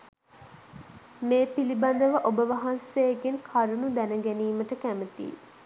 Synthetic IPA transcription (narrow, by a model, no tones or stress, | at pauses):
meːpiliband̪əʋəʔobəʋɐɦɐnseːkenkʰaɾunud̪ænəɡæniːməʈəkæmət̪ḭː